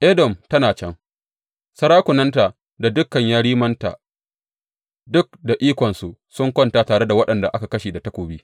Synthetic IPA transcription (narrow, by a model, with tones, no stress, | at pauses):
ʔe˦dɔ˨mtɐ˦naː˨t͡ʃɐ˦ŋ | sɐ˦ɾaː˦kʷʊ˨nɐ˦nta˨ | da˨dʊ˦kːɐ˨ɲjaː˦ɽiː˦mɐ˦nta̰ː˨ | dʊ˦k̚da˨ʔiː˦kʷɔ˨nsu˨sʊ˦ŋkʷɔ˦ntaː˦taː˨ɽe˦da˨wɐ˦ɗɐ˨nda˨ʔa˦ka˨kɐ˦ʃeː˨da˨tɐ˦kʷoː˨biː˦